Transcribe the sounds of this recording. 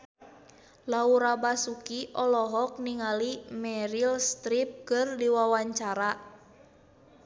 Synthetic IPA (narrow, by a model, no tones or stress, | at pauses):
lauɾabasukiʔɔlɔɦɔk̚niŋalimɛɾilst̪ɾip̚kɨrdiwawaɲt͡ʃaɾa